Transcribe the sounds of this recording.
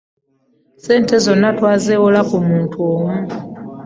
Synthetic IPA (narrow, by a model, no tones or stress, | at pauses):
se̞ːnte̞zo̞nːatwaːzeːwolakumuːntʰuoːmu